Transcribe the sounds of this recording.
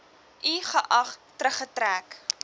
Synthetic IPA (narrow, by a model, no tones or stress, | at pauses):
ʔiχəʔɐχtɾəχətræːk